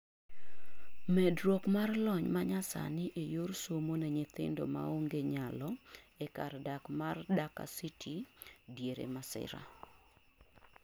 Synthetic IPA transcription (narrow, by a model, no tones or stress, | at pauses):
mɛdɾwɔkmarlɔɲmaɲasa̰nɪʔejorsomonɛɲɪt̪ɪ̰ndo̰ma̰oŋɡeɲalɔɛkardakmardaka̰sitʰidjeɾḛmasɪ̰ɾa̰